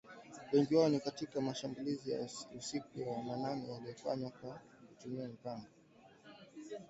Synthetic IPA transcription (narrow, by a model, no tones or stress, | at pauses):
wɛŋɡiwaɔnikatikamaʃambulizija̰usikujamananɛjaliɔfa̰ɲwakwa | kutumiamipaŋɡɔ